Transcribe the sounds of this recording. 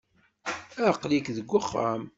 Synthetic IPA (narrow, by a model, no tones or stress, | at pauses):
æqlikðəɡʷːəχːa̰m